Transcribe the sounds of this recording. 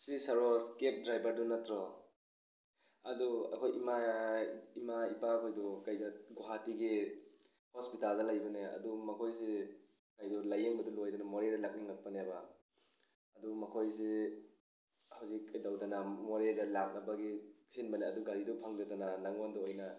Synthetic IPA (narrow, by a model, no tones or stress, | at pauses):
sisaɾɔskep̚dɾajbaɾdunatɾɔ | ɐdua̰kʰojima | imaipakʰojdukajdaɡoɦatiɡi | hɔspitaldalajbaneɐ̰dumɐkʰojs̬e | kajdulajeŋbadulojdanamɔɾedalak̚niŋapːaneba | dumɐkʰojs̬i | hawzikdawdanamɔɾedalaŋ̚nabaɡisinbaneaduɡaɾidupʰaŋdadananaŋɔndɔojna